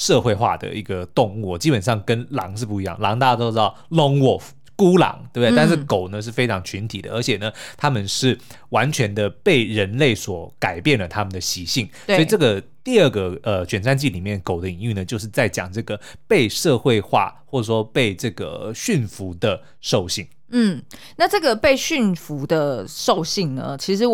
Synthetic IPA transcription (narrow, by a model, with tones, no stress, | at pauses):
ʂɤ˥˧xwe˥˧ɪxwa̰˥˩d̪ə̰˩i˧˥ɡə˧t̪ʊ˥˧ŋu˥˩t͡ɕi˥pə˨˩nʂɑ˥˩ŋkə˦˥nlɑ̰˧˥ŋʂ̬ɻ̩˥˧pu˥˩i˧˥jɑ̰˥˩ŋlɑ˧˥ŋt̪a˥˧˩a˥˧to˥ʊʈ͡ʂɻɑ˥˩ʊlʊ˧˥ŋwɔ˨˩ | ku˥lɑ̰˧˥ŋt̪e˥˩be˧a˥˧ʂɻ̩˥˩ko˨˩ʊnə˦ʂ̬ɻ̩˥˩fe˥ɪʈ͡ʂʰɑ˧˥ŋt͡ɕʰy˧˥nt̪ʰi˨˩d̪ə̰˦ə˞˧˥t͡ɕʰɛ˨˩nə˩t̪ʰa˥mə˨nʂɻ̩˥˩ | wa˧˦nt͡ɕʰɥɛ˧˥nd̪ə˧pe˥˩ɪɻə˧˥nle˥˩ɪswɔ˨˩ka˨˩ɪpjɛ˥˩nlə˩t̪ʰa˥mə˨nd̪ə˩ɕi˧˥ɕi˥˩ŋswɔ˥˧˥i˩˨˩ʈ͡ʂɤ˥˩ɡə˩t̪i˥˧ə˥˩ɡə˩ə˧t͡ɕɥɛ˨˩nʂa˥˧nt͡ɕi˥˩li˨˩mjɛ˥˩nko˨˩ʊd̪ə˦i˨˧˥ŋy˥˩nə˩t͡ɕjo˥˧ʂ̬ɻ̩˥˧t͡sa˥˩ɪt͡ɕjɑ̰˨˩ŋʈ͡ʂɤ˥˩ɡə˩ | pe˥˧ɪʂɤ˥˧xwe˥˧ɪxwa̰˥˧˩xwɔ˥˩ʈ͡ʂə˨˩ʂwɔ˥pe˥˧ɪʈ͡ʂɤ˥˩ɡə̰˩ɕy˥˩nfu˧˥d̪ə˧ | ʂo˥˧ʊɕi˥˩ŋ | n̩˥˩ | na˥˧ʈ͡ʂɤ˥˩ɡə˩pe˥˧ɪɕy˥˩nfu˧˥d̪ə˧ʂo˥˧ʊɕi˥˩ŋnə̰˩t͡ɕʰi˧˥ʂɻ̩˧˥